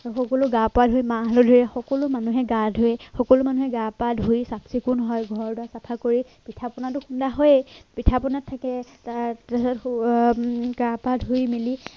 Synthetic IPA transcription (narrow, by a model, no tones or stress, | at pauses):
xɔkɔlʊɡapadʱojmaɦalɔdʱɔiɛxɔkɔlʊmanuɦɛɡadʱoɛxɔkɔlʊmanuɦɛɡapadʱɦujsapsikʊnɦɔjɡʱɔɹdʊasapʰakoɹi | pitʰapɔnat̬ʊxundaɦojpitʰapɔnatʰːakɛtatasɔt | ɡapadʱujmili